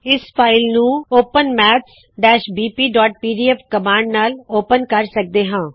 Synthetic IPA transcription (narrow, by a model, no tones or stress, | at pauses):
ɪspʰaːɪlnũːoːpənmɛːt̪s | ɖɛːʃbiːpiːɖɔːʈ̚piːɖiːɛːfkəmãːɳɖnaːloːpənkəɾsək̚d̪eːɦãː